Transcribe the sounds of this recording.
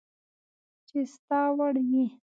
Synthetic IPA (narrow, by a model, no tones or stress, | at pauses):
t͡ʃest̪ɑwaɽji